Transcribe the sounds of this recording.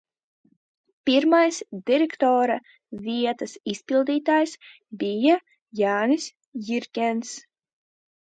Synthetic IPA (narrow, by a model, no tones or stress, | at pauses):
pʲiɾmajsd̪̥ʲiɾʲekt̪ɔːɾa | vʲiɛt̪ɐsisʲpʲilˠd̪iːt̪aːjs | bʲija | jaːnisʲ | jiɾkʲɛns